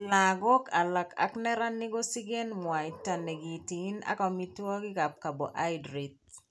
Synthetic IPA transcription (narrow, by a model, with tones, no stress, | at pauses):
la˨ɡɔ˦ka˨la˨ka̰˦knɛ˦ɾa˦ni˦ɡo˦si˦ɡe˦nmwa˨i˨ta˨ne˨ɡi˨ti˨˦na̰˦kɔ˨mi˦twɔ˦ɡɪ˦ka˨p̚ka˨bo˨ʔa˦jdɾi˨t̪̚